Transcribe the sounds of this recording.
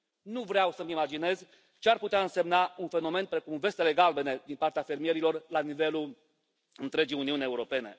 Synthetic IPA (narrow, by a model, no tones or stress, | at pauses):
nuvɾeawsəmimad͡ʒine̞z | t͡ʃearput̪eaɨnse̞mnaunfe̞no̞me̞npɾe̞kumve̞st̪e̞le̞ɡalbe̞ne̞d̪inpart̪eafe̞rmije̞ɾilo̞rlanive̞lul | ɨnt̪ɾe̞d͡ʒijuniunʲe̞uɾo̞pe̞ne̞̰